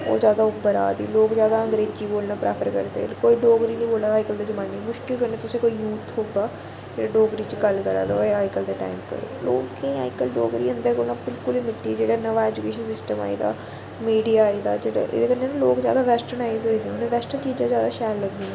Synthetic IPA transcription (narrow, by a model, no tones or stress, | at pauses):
o̰ːzjaːd̪aːʊbːəɾa̰ːd̪ḭːloːkzjaːd̪aːə̃ŋɡɾeːd͡ʒd͡ʒiːboːlnaːpɾɛ̰ːpʰəɾkə̰ɾd̪ḛkoːiːɖoːɡɾiːnĩːboːlaːaːɪkəld̪eːd͡ʒəmaːnːiːmʊʃkɪlkəɾnẽːt̪ʊsẽːkoːiːjuːt̪ʰɦoːɡaː | d͡ʒeːɽaːɖoːɡɾiːt͡ʃɡəlkəɾa̰ːd̪oeaːɪkəld̪eːʈa̰ːimpə̰ɾo̰loːkẽːa̰ːɪkəlɖoːɡɾiːə̃nd̪əɾkoːlnaːbɪlkʊliːmɪʈːiːd͡ʒeːɽaːnəʋaːɛːd͡ʒukeːʃənsɪsʈəma̰ːḭːd̪a̰ː | miːɖijaːiːd̪aːd͡ʒeːɽa̰ːʔḛːd̪eːkəɾnenẽːloːkzja̰ːd̪aːʋɛːsʈənaːizɦoːid̪eɛ̃ʊnẽːʋɛːsʈət͡ʃiːd͡ʒãːzjaːd̪aːʃɛːɾləɡd̪iɛ̃